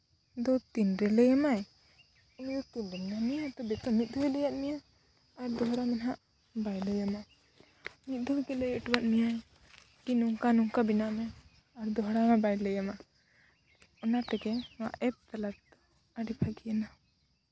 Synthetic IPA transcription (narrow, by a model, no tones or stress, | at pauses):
d̪ɔt̪inɾɛləjamaj | ɔjɔt̪inɾɛmnanijat̪ɔbɛt̪ɔmit̪̚ˀd̪ʱɔwɛləjaʔ̪̚nijaː | ɾd̪ɔɦɽamɛnɦaʔ | bajləjama | mit̪̚ˀd̪ʱɔwɛɡɛləjəʈwat̪̚mija | kinuŋkanuŋkabinaʔmɛ | aɾd̪ɔɦɽamɛbajləjama | ɔnat̪ɛɡɛma̰ʔɛp̚t̪alat̪ | aɾipʰaɡijana